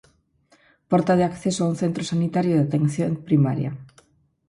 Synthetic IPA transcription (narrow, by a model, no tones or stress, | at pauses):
pɔɾt̪að̞eakθesoaun̟θent̪ɾosanit̪aɾjʊðat̪enθjoŋpɾimaɾja̰